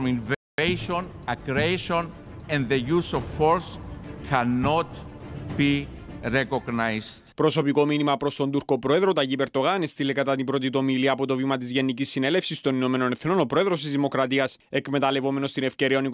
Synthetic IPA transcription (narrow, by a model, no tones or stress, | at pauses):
minv | eʃon | ɐkɾeʃõn | ɛ̃nðejusoffoɾskʰanːot̪b̥i | ɾekoɡnajzt̪pɾo̞so̞piko̞minimɐpɾo̞st̪o̞nd̪uɾko̞pɾo̞e̞ðɾot̪ɐʝipe̞ɾd̪o̞ɣɐne̞st̪ilekɐt̪ɐt̪ibɾo̞t̪̬it̪o̞miliɐpo̞t̪o̞vimɐt̪̬izʝe̞nːicisːine̞le̞fsist̪o̞nino̞me̞no̞ne̞θno̞no̞pɾo̞eðɾo̞s̬t̪izðimo̞kɾɐt̪iɐse̞kme̞t̪ɐle̞vo̞me̞no̞st̪ine̞fce̞ɾiɐonik